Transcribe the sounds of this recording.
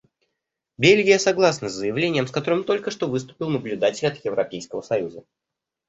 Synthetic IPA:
bʲelʲɡʲɪjəsɐɡlˠasnəzzəjɪvlʲenʲɪjəmskɐt̪o̞ɾɨmt̪o̞lʲkəʂt̪o̞vɨst̪ʊ̥pʲɪlˠnəblʲʉd̪atʲɪlʲɐt̪jɪvɾɐpʲejskəvəsɐjuzə

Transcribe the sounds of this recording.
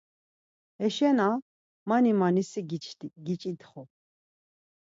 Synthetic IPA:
ɛʃɛna | manimanisiɡɡit͡ʃʼit̪χɔ

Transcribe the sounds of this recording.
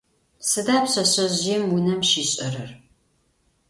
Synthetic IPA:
sɨdaːpɕɐɕʼɐʑjɛmwʊnɐmʃiːɕʼɐɾɐr

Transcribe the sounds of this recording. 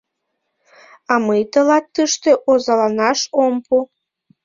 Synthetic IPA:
ɑməjt̪əlɑt̪ːəʃt̪eʔozɑlɑnɑʃompu

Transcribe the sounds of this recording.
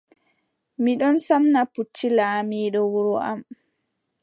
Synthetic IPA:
miɗɔnsamnaputʰːilaːmiːɗɔwuɾɔʔa̰m

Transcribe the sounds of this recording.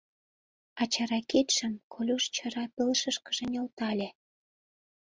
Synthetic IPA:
ɑt͡ɕɑɾɑket̪ʃə̆mkʰolʲuʃt͡ɕə̆ɾɑpəlʃə̆ʃkə̆ʒĕnʲolt̪ɑlʲe

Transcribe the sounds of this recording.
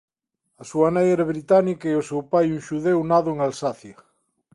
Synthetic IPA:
ɐsuɐnejɛɾaβɾit̪anikaiosewpajuŋʃuðewnaðoeŋalsaθjɐ

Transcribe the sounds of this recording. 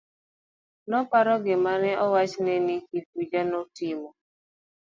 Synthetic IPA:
nɔpaɾɔɡɪmanɛʔɔwat͡ʃnɛnikitud͡ʒanɔtimɔ

